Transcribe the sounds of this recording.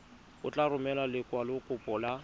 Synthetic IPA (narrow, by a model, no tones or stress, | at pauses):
ʊt͡ɬʼarʊmɛlalɪkʼwalɪkʼʊpʼɔla